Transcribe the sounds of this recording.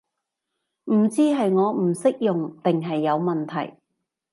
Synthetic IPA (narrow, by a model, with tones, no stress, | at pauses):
m̩˨˩t͡siː˥ɦɐ˨jŋɔː˨˧m̩˨˩sɪ˥k̚jʊ˨ŋt̪ɪ˨ŋɦɐ˨jːɐ˨˧wmɐ˨nt̪ʰɐ˨˩j